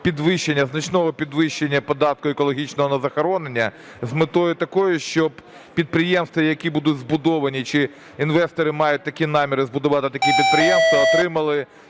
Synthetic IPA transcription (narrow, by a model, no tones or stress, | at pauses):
pʲid̪ʋɪʃːenʲːɐznɐt͡ʃnɔɦɔpʲid̪ʋɪʃt͡ʃːenʲːɐpɔd̪ɑt̪̚kʊekɔlˠɔɦʲit͡ʃnɔɦɔnɐzɐxɐɾɔnenʲːɐ | zmɪt̪ɔjʊt̪ɐkɔjʊʃt͡ʃɔb | pʲid̪̚pɾɪjɛmst̪ʋɐjɐkʲibud̪ʊdʲzbʊd̪ɔʋɐnʲit͡ʃɪ | inʋɛst̪ɔɾɪmɑjʊt̚ʲt̪ɐkʲinɑmʲiɾɪzbʊd̪ʊʋɑt̪ɪt̪ɐkʲipʲid̪̚pɾɪjɛmst̪ʋɐːt̪ɾɪmɐlˠɪ